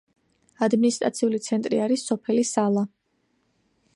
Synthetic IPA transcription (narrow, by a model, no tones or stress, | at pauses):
ad̪minist̪ʼɾa̰t̪sʰiulit̪sʰɛnt̪ʼɾiaɾisːɔpʰɛlisalˠa